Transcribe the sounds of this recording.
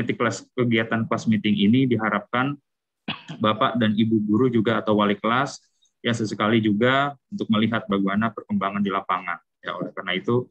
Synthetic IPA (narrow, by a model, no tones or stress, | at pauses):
mit̪ikəlaskəɡiat̪anklasmit̪ɪŋinidiɦaɾap̚kan | bapaʔdanibuɡuɾud͡ʒuɡaːt̪awwalikəlas | jaŋsəsəkalid͡ʒuɡaunt̪ʊk̚məliɦat̪̚baɡuanapərkəmbaŋandilapaŋan | ja̰olɛhkarnait̪u